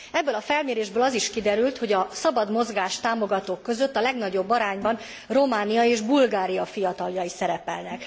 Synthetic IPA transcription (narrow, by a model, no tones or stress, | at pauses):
ɛbːøːlɒfɛlmeːɾeːʒbøːlɒziʃkid̪ɛɾylt̪ho̞ɟɒsɒbɒd̪mo̞zɡaːʃt̪aːmo̞ɡɒt̪oːkːø̞zø̞t̪ːɒlɛɡnɒɟo̞bːɒɾaːɲbɒn | ro̞maːnijɒeːʒbulɡaːɾijɒfijɒt̪ɒljɒisɛɾɛpɛ̰lnɛk